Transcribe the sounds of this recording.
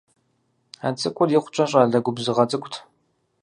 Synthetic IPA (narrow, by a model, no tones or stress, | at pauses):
aːt͡sʼɨkʷʼʊrjɪχʷʊt͡ʃʼɐɕ̬ʼaːɮɐɡʷʊbzɨʁɐt͡sʼɨkʷʼtʰ